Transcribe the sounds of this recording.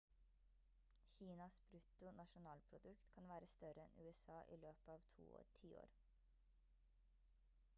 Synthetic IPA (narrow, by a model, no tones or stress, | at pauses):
çiːnɑsbɾʉt̪ʊnɑʃʊnɑːlpʰɾʊd̪ʉkt̪kʰɑnʋæːɾəst̪œɾəɛ̰nʉːɛsɑːʔḭːløːpəɑːʋt̪ʰṵːo̰ːtʰiːo̰ːɾ